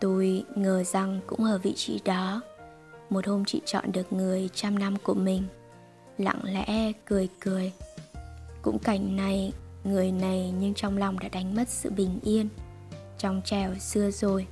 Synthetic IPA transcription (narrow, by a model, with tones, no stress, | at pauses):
t̪u˧jŋəː˨˩za˨˩ŋkʊ̰˧˥ŋ͡mʔəː˧˩vḭ˧˨t͡ɕḭ˧˦ɗɔ˨˦ | mo˨˩t̚ho˧mt͡ɕḭ˧˨t͡ɕɔ̰˧˨nɗɨ˨˩ək̚ŋɨ˨˩əjt͡ɕa˧mna˧mku˧˩əmï˨˩ŋ̟ | la̰˧˨˥ŋlɛ̰˧˥kɨ˨˩əjkɨ˨˩əj | kʊ̰˧˥ŋ͡mka˧˩jŋ̟na˧˩jŋɨ˨˩əjna˨˩jɲɨ˧ŋt͡ɕɔ˧wŋ͡mla˨˩wŋ͡mɗa̰ː˧˥ɗa˨˦jŋ̟mə˦˥t̚sɨ̰˧˨ɓï˨˩ŋ̟ʔi˧ən | t͡ɕɔ˧wŋ͡mt͡ɕɛ˨˩wsɨ˧əzo˨˩j